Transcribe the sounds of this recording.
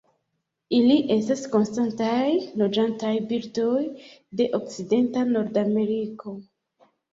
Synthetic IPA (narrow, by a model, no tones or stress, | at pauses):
iliʔe̞stasko̞nstantajlo̞d͡ʒantajbiɾdo̞jde̞ʔok̚t͡side̞ntano̞ɾdame̞ɾiko̞